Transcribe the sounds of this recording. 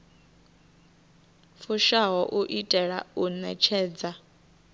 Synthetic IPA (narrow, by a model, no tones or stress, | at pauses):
fuʃaɦɔʔuʔitʼɛɺa̰unɛ̰t͡ʃʰɛːd͡za